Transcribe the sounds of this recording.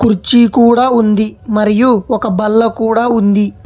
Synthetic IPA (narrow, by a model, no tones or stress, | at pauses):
kuɾt͡ʃikuːɽaːund̪imɐɾijuɔkɐbɐlːɐkuːɽaːund̪i